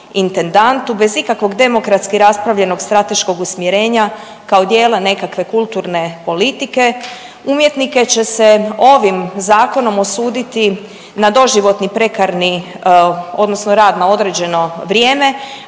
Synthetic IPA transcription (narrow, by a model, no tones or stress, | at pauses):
int̪e̞nd̪ant̪ube̞zikakʋo̞ɡd̪e̞mo̞kɾat̪skiɾaspɾaʋʎe̞no̞ɡst̪ɾat̪e̞ʃko̞ɡusmjeɾe̞ːɲa | kaod̪jeːlene̞kakʋe̞kulˠt̪uɾne̞po̞lit̪ike̞ | umjet̪nike̞t͡ɕe̞se̞o̞ʋimzaːko̞no̞mo̞suːd̪it̪i | nad̪o̞ʒiʋo̞t̪nipɾe̞kaɾni | o̞d̪nosnoɾaːd̪nao̞d̪ɾed͡ʑe̞no̞ʋɾjeːme̞